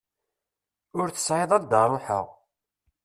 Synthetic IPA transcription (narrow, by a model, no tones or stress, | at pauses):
ʊɾθə̥sʕɪðˤæld̪ɑɾˤəħə̰ʁ